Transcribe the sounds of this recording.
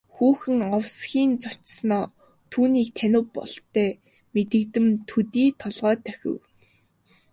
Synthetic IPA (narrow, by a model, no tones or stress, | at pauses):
xuːxɘ̆ŋɔwsɡʲiːnt͡sɔt͡ɕsnɔː | t̪ʰuːniːk̚t̪ʰænʲʊ̆wpːɔ̰ɮt̪ːæː | met̪ɘ̆kt̪ɘ̆mt̪ʰut̪iːt̪ʰɔɮʁœːt̪ʰœxʲɪ̰̆w